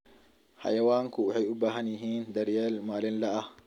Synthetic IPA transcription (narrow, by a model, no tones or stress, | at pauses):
ha̰jawaːŋkuhɛjubaɦanjiɦind̪ɐɾjɛlmaːlinlaʔa